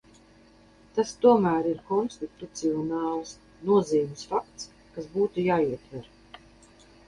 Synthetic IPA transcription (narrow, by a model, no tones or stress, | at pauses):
t̪ast̪uɔmæːɾiɾkɔnst̪it̪ut̪siɔnɑːlˠs | nuɔziːmʲɪsfak̚t̪s | kasbuːt̪ujaːiɛt̪væɾ